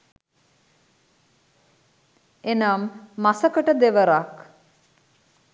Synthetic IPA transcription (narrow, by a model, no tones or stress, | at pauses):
enamːasəkəʈəd̪eʋəɾak